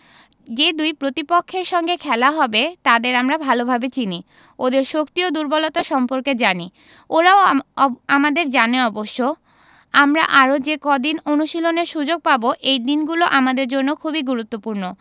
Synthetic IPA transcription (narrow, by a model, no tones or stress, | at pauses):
d͡ʑed̪ujpɾot̪ipokʰːeɾʃɔŋɡekʰɛlaɦɔbet̪ad̪eɾamɾabʱalobʱabet͡ɕini | od̪eɾʃokt̪iod̪uɾbolot̪aʃɔmpoɾked͡ʑani | oɾaoamad̪eɾd͡ʑaneɔboʃːo | amɾaʔaɾod͡ʑekɔd̪inonuʃiloneɾʃud͡ʑoɡ̚paboʔejd̪inɡuloʔamad̪eɾd͡ʑonːokʰubiɡuɾut̪ːopuɾno